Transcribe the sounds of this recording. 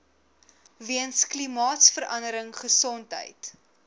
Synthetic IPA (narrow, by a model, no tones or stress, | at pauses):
viənsklimɑːtsfəɾʔɐndəɾəŋχəsɔntɦə̰jt